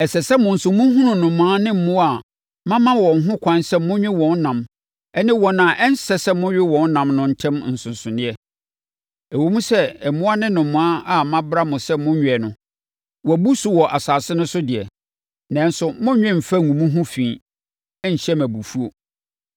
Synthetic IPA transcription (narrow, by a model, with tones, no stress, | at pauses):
ɛ˨sɛ˨sɛ˦mʊ̃˨n̩˨sʊ˨˦mũ˦ɦũ˦nʊ̃˨nʊ̃˨mːʊ̃˨˦a˦nɪ̃˦m̩˨mʊ̃˦a˨ | mã˦mã˦wɔ̃˨ŋ˦ɦʊ̃˦kʷʰã˦nsɛ˦mʊ̃˦ɲᶣɪ̃˦wɔ̃˨n˦nã˨m | ɛ˦nɪ̃˦wɔ˨ñ˨a˨ʔɛ˦n̩˦sɛ˦sɛ˦mʊ̃˦ɥᶣɪ˦wɔ̃˨n˦nã˨mnʊ̃˦n̩˦tʰɛ̃˦m˨n̩˨sʊ̃˨nsʊ̃˨nɪ̃˦ɛ˦ | ɛ˨wo˨mũ˦sɛ˦ɛ˨mʊ̃˦a˦nɪ̃˦nʊ̃˨mːʊ̃˨a˦a˨mã˦bɾa˦mʊ̃˨sɛ˦mʊ̃˦ɲᶣ˨ɛ˨nʊ̃˨ | wɔ˨æ˨bu˦su˨wɔ˨ʔa˨saː˨sɪ˦nʊ̃˦sʊ˦dɪ˨ɛ̰˨ | nã˨n̩˦sʊ˦mʊ̃˦ɲᶣɪ̃˦m̩˨fa˦˨ũ˨mũ˦ɦʊ̃˦fĩː˨ | ɛ˦ɲ̩˨ɕɛ˦mæ̃˨bu˨fu˦o˨